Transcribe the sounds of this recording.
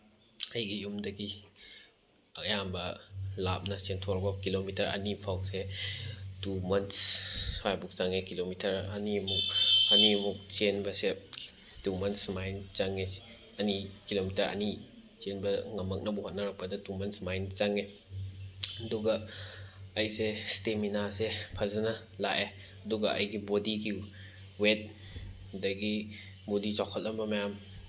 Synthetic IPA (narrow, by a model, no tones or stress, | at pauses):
ɐjɡijumdɐɡi | ɐjambɐla̰p̚nɐsentʰoɾbɐkilomitɐɾɐ̰nipʰawse | tumɐnspajbuk̚t͡ʃaŋekilomitʰɐɾɐniɐmuk̚ɐniɐmuk̚t͡ʃenbɐse | tumɐnsmajnt͡ʃaŋe̥ | ɐnikilomitɐɾɐ̰ni | t͡ʃenbɐŋɐmɐk̚nɐbuhot̚nɐɾɐk̚pɐdɐtumɐnsmajnt͡ʃaŋe | ɐduɡɐː | jsesteminasepʰɐzɐnɐ | la̰ʔe | ɐduɡɐʔɐ̰jɡibodiɡi | wet̚ | dɐɡi | bodit͡ʃawkʰɐt̚ːɐmbɐmɐjam